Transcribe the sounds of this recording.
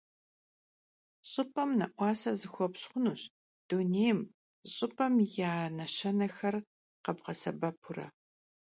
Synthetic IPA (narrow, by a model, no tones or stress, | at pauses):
ɕʼɨpʰʼɐmnɐʔʷɑːsɐzɨxʷɔpɕχʷʊnuːɕ | d̥unejm | ɕʼɨpʰʼɐmjaːnɐɕɐnɐxɐr | qɐbqɐsɐbɐpʰʊrɐ̰